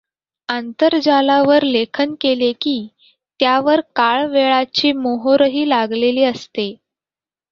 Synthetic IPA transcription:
ənt̪əɾd͡ʑalaʋəɾlekʰənkelekiː | t̪jaʋəɾkaɭʋeɭat͡ɕiːmoɦoɾəɦiːlaɡleliːəst̪e

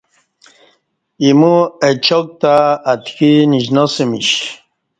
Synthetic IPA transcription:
imuet͡ɕok̚t̪aːt̪kiniʑnosimiɕ

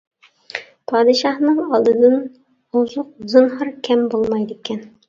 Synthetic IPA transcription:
pʰɑd̪ɤ̆ʃɑhnɤɴɑlˠd̪ɤ̆nɤn | ŏzuq̚zɤ̆nɦɤɾkæmbolˠmɑjd̪ikæn

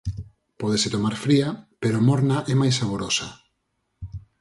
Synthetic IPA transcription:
pɔðesɪt̪omaɾfɾiɐpeɾoamɔɾnaʔɛmajsaβoɾosa

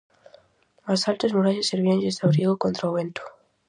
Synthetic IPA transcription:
masalt̪ezmuɾaʎaseɾβiand͡ʒest̪awɾiɣokont̪ɾaowβent̪o̥

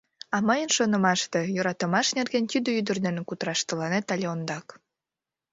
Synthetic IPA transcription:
ɑməjənʃonəmɑʃt̪ejoɾɑt̪ə̆mɑʃnerɣent̪yd̪ə̆yd̪ərd̪enekut̪ɾɑʃt̪əlɑnet̪ɑlʲeond̪ɑk

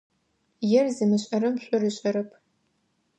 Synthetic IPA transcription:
jɛrzɨmɨɕʼɐɾɐmɕʷʼʊrɨɕʷʼɐɾɨpʰ

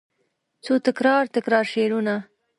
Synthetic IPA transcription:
t͡sot̪ɪkɾɑɾt̪ɪkɾɑɾʃeɾuna

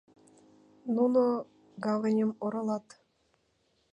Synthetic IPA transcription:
nuno | ɡɑvə̆nʲə̆moɾɤ̆lɑt̪

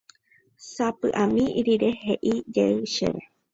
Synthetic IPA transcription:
sapɨʔamĩiɾiɾe̞ɦeʔid͡ʒeɨʃḛʋe

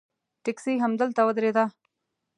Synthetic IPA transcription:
t̪ɪksiɦamd̪əlt̪awəd̪ɾed̪a

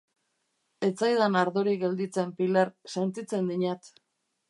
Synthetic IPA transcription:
e̞t͡sajðanaɾðoɾiɡe̞ld̪it͡se̞mpilaɾse̞nt̪it͡se̞nd̪iɲat̪

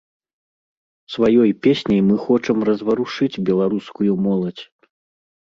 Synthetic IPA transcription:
svajɔjpʲesʲnʲijmɨxɔt͡ʂɐmrɐzvɐɾuʂɨd͡zʲbʲɛlˠaɾuskujumɔlˠɐt͡sʲ

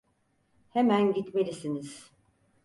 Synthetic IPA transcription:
hemænɟit̪me̞lʲisiniz̥

